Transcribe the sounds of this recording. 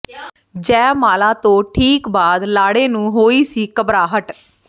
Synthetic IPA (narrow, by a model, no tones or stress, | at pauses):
d͡ʒɛːmaːlaːt̪õːʈʰiːkbaːd̪laːɽeːnũːɦoːiːsiːkəbɾaːɦəʈ